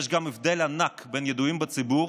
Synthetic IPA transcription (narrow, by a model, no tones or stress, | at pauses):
ʃɡamɛfdɛlanakbɛnjɛduimbət͡sibuː